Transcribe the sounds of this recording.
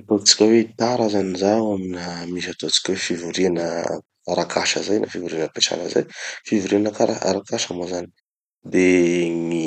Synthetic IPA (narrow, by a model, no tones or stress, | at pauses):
at̪ot͡si̥kʲəwet̪aɾazanizaaminamis̬at̪ot͡si̥kʲwefivuɾianə | aɾakʰaʃəzajna̰fivuɾinəpeʈ͡ʂa̰nə̰za̰jfivuɾianəkaɾaa̰ɾakaʃamazani̥ | d̪eŋi